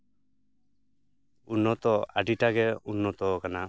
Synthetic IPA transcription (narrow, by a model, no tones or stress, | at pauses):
unːɔt̪ɔa̰ɖiʈaɡɛunːɔt̪ɔkana